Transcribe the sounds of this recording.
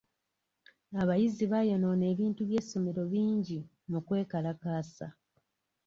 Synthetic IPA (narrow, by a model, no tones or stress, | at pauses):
aβajiziβajono̞ːne̞ːβiːntuβje̞ːso̞me̞ɾo̞βiːɲɟi | mukwe̞ːkalakaːsa̰